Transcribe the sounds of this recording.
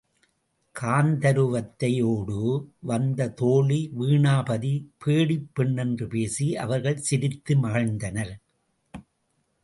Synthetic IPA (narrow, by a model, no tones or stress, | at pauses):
kʰaːnd̪ɐɾɯʋɐt̪ːɐjoːɽɯʋɐnd̪ɐt̪oːɭiʋiːɳaːbɐðipʰeːɽɪpːɪɳːɛndrɯpeːsiʔɐ̰ʋɐɾɣɐɭsɪɾɪt̪ːɯmɐɣɐɻnd̪ɐnɐɾ